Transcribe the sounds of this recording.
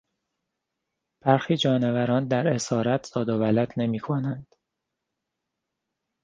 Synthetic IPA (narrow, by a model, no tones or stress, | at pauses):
b̥æɾxiːd͡ʒɒːne̞væɾɒːnd̪æɾe̞sɒːɾæt̪ʰsɒːd̪ovælæd̪ne̞miːkʰo̞nænd̪̥